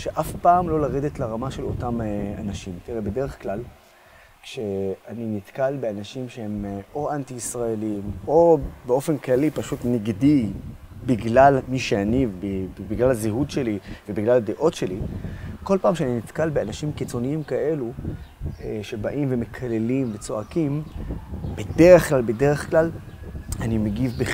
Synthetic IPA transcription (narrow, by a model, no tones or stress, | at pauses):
ʃe̞ʔafpaːmlo̞laʁed̪etlaʁamaʃe̞lo̞tama̰naʃimtiʁebe̞de̞ʁeχklal | kʃe̞aninit̪kalbe̞anaʃimʃehe̞mo̞ʔantiːsʁaelimo̞beo̞fe̞nklalipaʃutniɡdibiɡlalmiʃeanivbibiɡlalaziɦud̪ʃe̞livebiɡlalad̪eʔo̞tʃeliko̞lpaːmʃeaninit̪kalbeanaʃimkit͡so̞niimkaʔe̞lu | eʃe̞baʔimve̞mekʰale̞limvet͡so̞akim | bedeʁeχklalbe̞deʁeχklalanimeɡivbe